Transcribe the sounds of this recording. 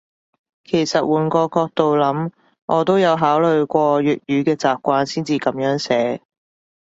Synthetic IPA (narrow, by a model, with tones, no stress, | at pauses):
kʰe˨˩jsɐ˨t̚wuː˨˥nkɔː˧kɔː˧k̚t̪o˨wlɐ˨˥m | ŋʔɔː˨˧t̪o˥wjɐ˨˧wɦaː˨˥wlɵ˨ɥkʷɔː˧ɥyː˨t̚jyː˨˧kɛː˧t͡saː˨p̚kʷaː˧nsiː˥nt͡siː˨˧kɐ˨˥mjœː˨˥ŋsɛː˨˥